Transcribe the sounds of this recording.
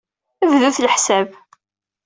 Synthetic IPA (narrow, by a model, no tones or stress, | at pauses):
əvðuθlħsæb